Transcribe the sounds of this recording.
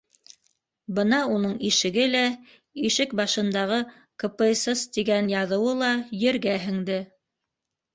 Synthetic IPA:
bɤnɑunɤɴiʃɘ̆ɡɘlæ | iʃɘk̚bɑʃɤ̆nd̪ɑʁɤ | kɤ̆pɤsɤst̪iɡænjɑðɤ̆wɤlˠɑjɘ̆ɾɡæɦɘ̆ŋd̪ɘ

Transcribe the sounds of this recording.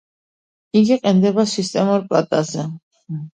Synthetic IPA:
iɡiqʼɛnd̪ɛbasist̪ʼɛmuɾpʼlat̪ʼazɛ

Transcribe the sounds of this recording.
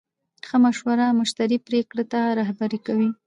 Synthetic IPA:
xəmaʃwaɾamʊʃt̪aɾipɾekɽat̪aɾahbaɾikawi

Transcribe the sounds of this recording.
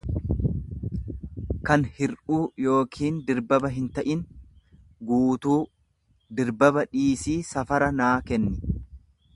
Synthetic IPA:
kɐnhɪɾʔuːjo̞ːkʰiːnd̪ɪɾbɐbɐɦɪnt̪ɐʔɪn | ɡuːt̪uː | d̪ɪɾbɐbɐᶑiːsiːsɐfɐɾɐnaːkɛnːɪ

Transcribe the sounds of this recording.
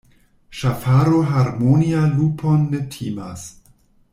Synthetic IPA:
ʃafaɾoɦaɾmonialupʰonːetʰiːmas

